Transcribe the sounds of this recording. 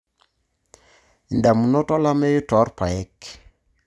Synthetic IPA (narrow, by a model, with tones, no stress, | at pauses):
i˨nda˨mu˨nɔ˦tɔ˦la˦mɛ˦jʊ˦tɔ˨˦ɾpa˨ɛ˦k